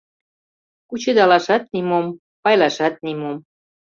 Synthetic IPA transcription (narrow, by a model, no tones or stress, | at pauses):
kut͡ɕed̪ɑlɑʃɑt̪̚nimom | pɑjlɑʃɑt̪̚nimom